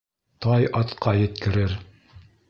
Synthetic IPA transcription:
t̪ɑjɑt̪qʰɑjɘ̆t̪kɘ̆ɾɘɾ

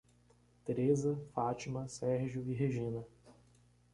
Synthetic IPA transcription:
t̪eɾezɐfat͡ʃimɐsɛɾʒjʊiɦeʒĩnɐ

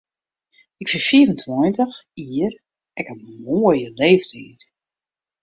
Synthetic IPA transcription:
ɪkfɪfiəɾəntʰwɔjntəxiːr | ɛkəmoːjəleːvtʰiːt

